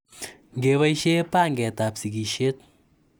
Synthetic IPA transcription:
ŋɡewaiʃe˦pa˦ŋɡɛ˨t̪a˨psi˨ɡi˨ʃe˦t̪̚

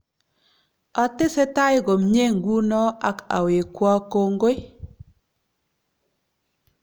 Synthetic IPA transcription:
a˨tɪ˦sɛ˦ta˦jɪ˦ɡo˨mɲe˦ŋɡu˦nɔ˦ʔa˦ka̰˨we˨kwɔ˦ko˦ŋɡo˦ɪ˦

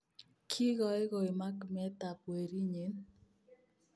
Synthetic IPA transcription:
kʰi˦ɡɔ˨ɛ˦ɡo˨i˨ma˦kmɛ˦t̪a˨pwe˨ɾi˦ɲi˨˦n

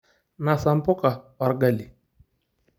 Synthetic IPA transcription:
na˨sa˨m˦pɔ˦ka˨wa˨ɾɡa˦˨li˨

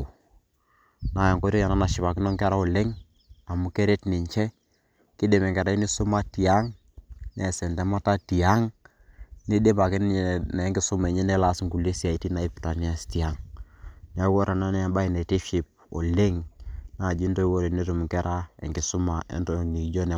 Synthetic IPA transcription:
na˨ja˨ŋkɔ˦ɾo˦ja˨na˦na˨ʃɪ˨pa˨kɪ˦nɔ˦ŋkɛ˦ɾa˦ɔ˨le˦ŋ | a˨mu˨kɛ˦ɾe˦tni˨ɲt͡ʃɛ˦ | kɪ˦de˨mɛ˨ŋɡɛ˨ɾa˦i˦ni˦sʊ˦ma˦ti˨a˦ŋ | nɛ˨sɛ˨ndɛ˦ma˦ta˦ti˨a˦ŋ | ni˦de˦ba˨kɪ˦n˦˨nɛ˨˦ŋɡɪ˨˦sʊ˦mɛ˨ɲɛ˦nɛ˦la˦sŋɡu˨le˦si˦a˨i˨ti˦na˨i˦pta˨ni˦a˦sti˨a˦ŋ | n˦a˦wɔ˦ɾa˨na˦nɛ˦ba˦i˨nɛ˨te˦ʃi˨p̚ɔ̰˨le˦ŋna˨d͡ʒi˦nto˦i˦wo˦ɾe˨ne˦tu˨m˨ŋkɛ˦ɾʔa˦ɛ̰˨ŋɡɪ˨sʊ˦ma˨ʔɛ̰˦ntɔ˨ni˨d͡ʒo˦nɛ˨˦

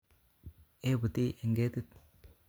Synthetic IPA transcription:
e˦bu˨t̪i˦ʔe˨ŋɡe˦t̪i˦t̪

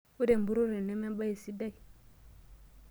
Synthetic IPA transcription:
u˦de˨mbu˦ɾo˦ɾe˨ne˦me˦ba˦ji˨si˦da˦i˨

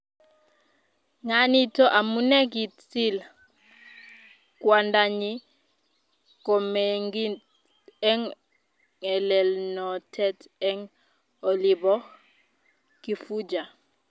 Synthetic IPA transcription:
ŋa˦ni˦tʰɔ˦ʔa˨mu˦nɛ˦k̬i˨t͡si˦l | kwa˨nda˨ɲi˦ | kɔ˨mɛ˨ŋɡi˦ | ɛ˦ŋ | ɛ˨lɛ˨lnɔ˨tʰɛ˦tɛ˦ŋ | ɔ˨li˨bɔ˦ | ki˨fu˦d͡ʒa˨

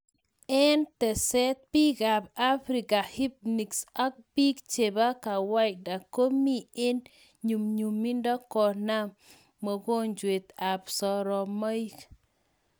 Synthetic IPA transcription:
ɛ˦nt̪ɛ˨sɛ˦t̪̚pi˦ɡa˨b̚a˦fɾi˨ka˨hi˦p̚ni˨ksa˦k̚bi˦kt͡ʃe˨ba˦ka˨wa˦t͡ʃ̚da˨ko˦mːi˦e˦n | ɲu˨mɲu˨mːi˦ndɔ˦kɔ˨na˦mː | ɔ˨ko˦ɲd͡ʒwe˨t̪a˨psɔ˨ɾɔ˨ma˦i˦k

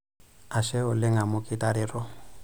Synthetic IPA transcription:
a˨ʃɛ˦ʊ˨lɪ˦ŋa˨mʊ˦kʼɪ˦tʼa˦ɾɪ˨rɔ˦

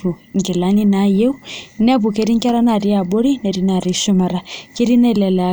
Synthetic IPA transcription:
u˨ŋɡɛ˨la˦ni˦na˦jɛ˦u˦nɛ˦βu˨ke˦ɾi˦ŋka˦ɾa˦na˨ɾi˦a˨bɔ˦ɾi˦nɛ˨ɾi˦na˨ɾi˨ʃu˦ma˨ɾa˨ke˦ɾi˦nɛ˦˨lɛ˨lɛ˨a˨

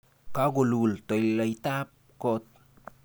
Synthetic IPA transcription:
ka˦ɡu˨lult̪o˨jla˨jt̪a˦p̚ko˦t̪̚

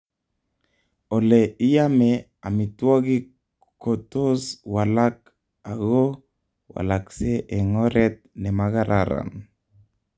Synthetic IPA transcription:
o˨lɛ˨i˦ja˦mɛ | a˨mi˨twɔ˦ɡi˦ | ko˨to˦swala˦k | a˨ɡo˦ | wa̰˨la˨ksɛ˦ʔɛ˨ŋɔ˦ɾɛ˦t̪̚nɛ˨maɡa˦ɾʔaɾa̰˨n

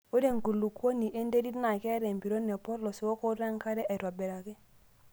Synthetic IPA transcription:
o˦de˦˨ŋ˨ku˨lu˨kwo˦ni˨ʔe˦nde˦ɾi˦tna˨kɛ˦ɾɛ˨mbi˨ɾo˦nːe˨pɔ˦ɾlɔ˨si˨wo˦ko˦ɾɛ˦ŋka˦ɾɛ˦ʔe˨ɾwa˨bɛ˨ɾa˨kɪ˦

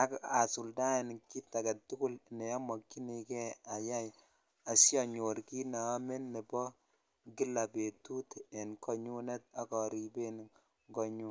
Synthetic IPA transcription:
a˦ka˨su˨lda˦e˨nki˦tːa˨ɡe˨tːu˦kʊ˦lne˨ja˦mo˨kːi˦ni˨ke˦a˨ja˦j | a˨sja˨ɲo˨ɾki˦na˨˦me˦nːe˨bɔ˦ | ɡi˦la˨be˨tu˦te˨nkɔ˨ɲu˦ne˦t̚a˨kɔ˨ɾi˨be˦n | ɡɔ˨ɲu˦

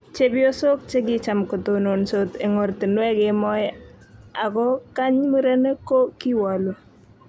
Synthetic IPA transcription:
t͡ʃe˦bɪo˦so˦k̚t͡ʃe˦ɡɪ˦t͡ʃa˨mko˨to˨no˨nso˨t̪e˨ŋo˨rti˨nwɛ˦ɡɪ˨mɔ˦j | a˨kɔ˦ka˦ɲmi˦ɾe˦ne˦ko˦ki˦wa˨lo˨

